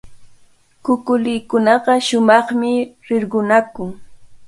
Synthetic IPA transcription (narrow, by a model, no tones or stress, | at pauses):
kʊkʊlɪːkʊnɑɢɑʃʊmɑχmɪɾɪɾɢʊnakʊŋ